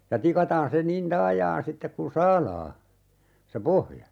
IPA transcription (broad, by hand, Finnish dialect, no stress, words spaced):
jɑ tikɑtɑːn se nin tɑːjɑːn sitːek kun̞ sɑːlɑː se pohjɑ